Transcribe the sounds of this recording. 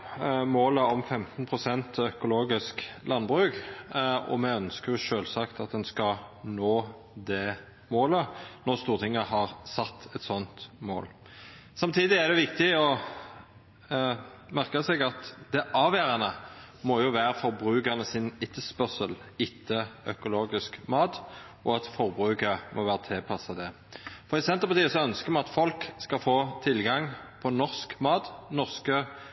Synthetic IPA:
moːləɔmfɛmt̪n̩pʰʁʊsɛnt̪ʰɔœkʊloːɡɪsklʔɑnbʁʉːk | ɔ̰mɛœnskəʁjʊʃøːlsɑkt̪ɑt̪̚d̪ɛnskɑnoː | d̪ɛ | moːlənɔʁst̪uːʁt̪ʰɪŋːəhɑʁsɑt̪ːɛt̪sɔnt̪mo̰ːl | sɑmt̪ʰiːd̪ɪæd̪ɛʋɪkt̪ɪɔ | mæʁkəsɛɡɑt̪d̪̥ɛʔɑːʋæːɾɑnəmɔjʊʋæːɾəfɔʁbɾʉːkəʁnəsɪnɪt̪ʰːəspœʁsəlɪt̪ʰːəœkʊloːɡɪskmɑːt̪ | ʔɔɑt̪fɔʁbɾʉːkəmʔɔ̰ʋæːʁət̪ʰɪlpʰɑsɑd̪ɛ | fɔʁɪsɛnt̪əʁpɑʁt̪iːəsɔœnskəʁmɛɑt̪fɔlkskɑfoːt̪ʰɪlɡɑŋpʰɔnɔʁskmɑːt̪nɔʁskə

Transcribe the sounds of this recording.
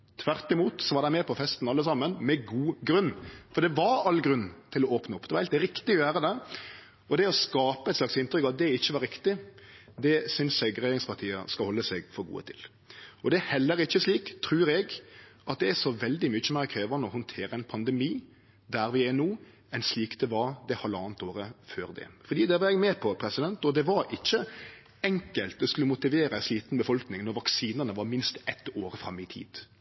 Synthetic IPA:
t̪ʰʋæʁt̪ɪmuːt̪sɔʋɑɾd̪æɪmɛpʰɔfɛst̪n̩ɑlːəsɑmənmɛɡuːɡɾʉnːfɔɾd̪ɛʋɑɾɑlːɡɾʉnːt̪ʰɪlɔoːpnəɔpːd̪ɛʋɑɾhɛlt̪ɾɪkt̪ɪɔjøːɾəd̪ɛ | ɔd̪ɛɔskɑːpəɛɪt̪slɑksɪnt̪ɾʏkɑt̪̚d̪ɛɪçːəʋɑɾɪkt̪ɪd̪ɛsʏnsɛɡɾɛjeɾɪŋspʰɑʁt̪ʰiːə̰skɑlhɔlːəsɛɡfɔɾɡṵːə̰t̪ʰɪl | ɔd̪ɛæhɛlːəɾɪçːəsliːkt̪ʰɾʉːɾɛɡʔɑt̪̚d̪ɛæsɔʋɛld̪ɪmʏt͡ʃːəmɛːɾɛkʰɾeːʋənəɔhʊnt̪ʰeːɾəɛnpʰɑnd̪ɛmiː | d̪æɾʋɪɛnuː | ɛnsliːkd̪̥ɛʋɑɾd̪ɛhɑlːəɑːnt̪oːɾəføːɾd̪ɛ̰fɔd̪iːd̪ɛʋɑɾɛɡmɛːpʰɔpʰɾɛsɪd̪ɛnt̪ɔd̪ɛʋɑɾʔɪçːə | ɛŋkəlt̪̚d̪ɛskʉlːəmʊt̪ɪʋeːɾəɛnsliːt̪n̩bəfɔlknɪŋnɔɾʋɑksiːnənəʋɑɾmɪnst̪ɛt̪ːoːɾfɾɑmːɪt̪ʰḭːd̪̥

